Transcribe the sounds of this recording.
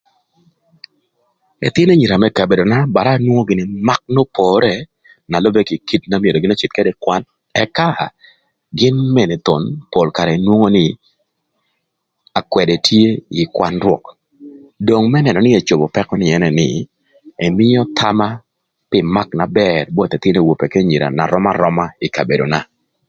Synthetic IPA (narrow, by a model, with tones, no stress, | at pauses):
ɛ̰˨t̪ɪ˦nɛ˦ɲi˨ɾa˨mɛ˦ka˨be˨do˨na˦ba˨ɾaː˦nwo˦ŋo˦ɡɪ˨˦nɪ˦ma˦k̚no˦pʰɔ˨ɾɛ˦ | na˨lɔ˦be˦ki˨ki˦tna˦mje˨do˨ɡɪ˦na˦t͡ʃi˨t̪̚ke˦dɛ˦kwa˦n | ɛ˦ka˦˨ | ɡɪ˦nmɛ˦˨ni˨t̪o˨npo˨lka˨ɾɛ˨nwo˦ŋo˦nɪ˦ | a˨kwɛ˨de˨tje˦ɪ˨kwa˦nɾwɔ̰˨k | do˨ŋmɛ˦nɛ˨nɔ˨nɪ˦e˨t͡ʃo˨bo˨pɛ˦kɔ˦nɪ˨ɛ˦nɛ˨nɪ̰˨ | ɛ˨mɪ˦jɔ˦t̪ʰa˦ma˦ | pɪ˨ma˦kna˨bɛrbɔ˦t̪ɛ˨t̪ɪ˦ne˦˨wo˨pe˨ke˦ɲi˨ɾa̰˨na̰˨ɾɔ˦ma˦ɾɔ˦ma˦ɪ˨ka˨be˨do˨na˨